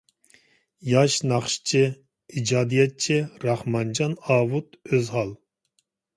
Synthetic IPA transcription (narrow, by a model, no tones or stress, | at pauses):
jɑʃnɑχʃt͡ʃʰɪ | id͡ʒɑːd̪ijɛt̪̚t͡ʃʰɪɾɑχmɑnd͡ʒɑnɑːwut̪øzhɑlˠ